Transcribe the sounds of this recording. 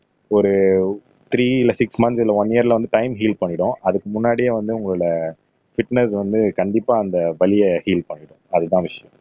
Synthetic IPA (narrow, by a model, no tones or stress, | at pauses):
ɔɾɯ | t̪ɾiːɪlɐsɪksmɐnsɪlːɐʋɐnːɪjɐɾlɐʋɐnd̪ɯʈɐɪmɦiːlpɐɳːɪɽʊ̃ɐðɯkːɯmʊnːaːɽɪjeʋɐnd̪ɯʊŋɡɐɭɯɽɐ | fɪʈnɛsʋɐnd̪ɯkɐɳɖɪpːaːɐnd̪ɐʋɐlɪjɐhiːlpɐɳːɪɽʊ̃ɐðɯt̪ãːʋɪʂɐjɐ̃